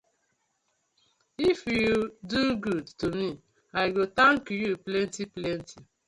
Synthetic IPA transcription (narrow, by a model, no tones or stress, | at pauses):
ifjuduɡudtomi | ajɡot̪ãŋkjuplɛ̃ntiplɛ̃ntʰi